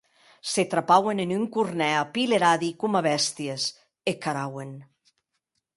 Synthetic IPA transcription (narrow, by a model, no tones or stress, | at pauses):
set̪ɾapawenenyŋkurnɛapileɾaðikumaβɛst̪ies | ekaɾawen